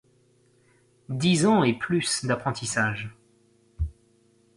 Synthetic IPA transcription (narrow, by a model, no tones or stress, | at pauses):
d̪izɑ̃eplysd̪apχɑ̃t̪ʰisaʒ